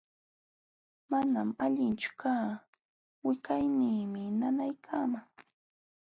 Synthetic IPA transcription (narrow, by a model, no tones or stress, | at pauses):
manamaʎɪnt͡ʃʊ̥kaː | wɪkajnɪːmɪnanajkʰamaŋ